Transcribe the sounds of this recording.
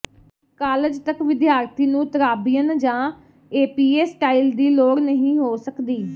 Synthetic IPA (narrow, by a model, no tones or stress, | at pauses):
kaːləd͡ʒt̪əkʋɪd̪jaːɾt̪ʰiːnũːt̪əɾaːbijənd͡ʒãː | eːpiːeːsʈaːild̪iːloːɽnəɦĩːɦoːsəkd̪iː